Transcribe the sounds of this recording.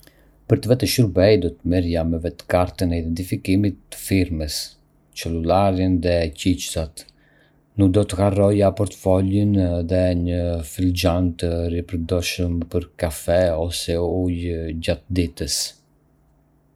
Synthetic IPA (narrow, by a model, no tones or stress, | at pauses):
pəɾt̪əvɛt̪əʃuɾbɛjd̪ɔt̪əmiɾjamɛvɛt̪kaɾt̪ənɛid̪ɛnt̪ifikimit̪ːə̥fiɾməs | t͡ʃɛlulaɾinðɛcit͡ʃsat̪ | nuk̚d̪ɔt̪əkarɔjapɔɾt̪fɔlinðɛɲəfild͡ʒant̪əripəɾd̪ɔʃəmpəɾkafɛɔsɛujd͡ʒat̪̚d̪it̪əs